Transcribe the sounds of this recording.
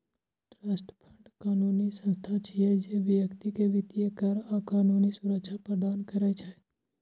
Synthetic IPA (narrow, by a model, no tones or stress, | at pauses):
ʈɾaːsʈəpʰəɳɖkaːnunisə̃nst̪ʰat͡ʃiɛd͡ʒeʋjəkt̪ikeʋɪt̪ijəkəɾakaːnuːnisʊɾəkʃʰapɾəd̪aːnkəɾɛt͡ʃʰɛ